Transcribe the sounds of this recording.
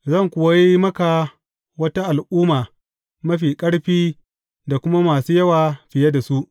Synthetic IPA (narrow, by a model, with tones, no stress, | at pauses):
zɐ˦˨ŋkʷʊ˨wa˦ji˦mɐ˦ka˨ | wɐ˦ta˦ʔa˨lʔuː˦maː˨ | mɐ˦ɸiː˨kʼɐ˦ɽɸiː˦ | da˨kʷʊ˦ma˦maː˨suː˦jɐ˦waː˨ɸɪ˨jɐ˦da˨su˦ʔ